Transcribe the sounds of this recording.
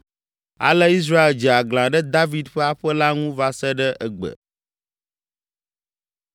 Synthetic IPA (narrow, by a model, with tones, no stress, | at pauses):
a̰˨lɛ˦i˦s̬ɾa˦e˨ld͡ʒɛ˨a˨ɡlã˨ɖɛ˦d̪a˦vi˨d̪ɸɛ˦a˦ɸɛ˦la˦ŋũ˦va˦sɛ˦ɖɛ˦ʔɛ˨ɡ͡bə̰˨